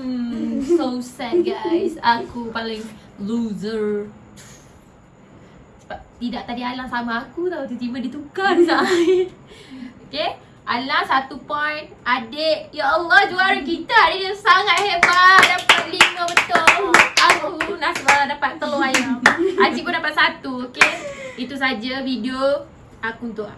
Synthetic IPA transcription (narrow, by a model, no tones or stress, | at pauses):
sosɛt̚ɡajsakupalɪŋ | luzəɹ | sə̥bap̚t̪idaʔ̚t̪adialaŋsamaːkut̪awt̪ut̪imadit̪ukansaj | oke | ʔalahsat̪upɔjnadeʔjaʔəlːɔhd͡ʒuaɾakit̪aːdijaŋsaŋat̪̚hebadapat̪̚liməbət̪olaʔulahsəbaɾadapat̪ːəloajaad͡ʒikudapat̪̚sat̪uokeit̪us̬ad͡ʒafideo | akuunt̪ʊʔ